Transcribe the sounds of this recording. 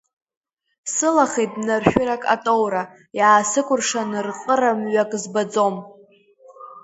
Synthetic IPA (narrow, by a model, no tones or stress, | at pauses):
sɨlaχejtʼnarʃᶣɪɾakʼa̰tʼowɾa | jaːsɨkʷʰʼʊrʂanɨrqʼəramɥakʼzbad͡zo̞m